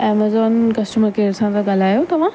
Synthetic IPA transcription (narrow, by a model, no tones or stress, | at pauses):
eːmezɔːnkɐsʈuməɾkeːɽsãd̪aɡalaːjot̪ɐʋã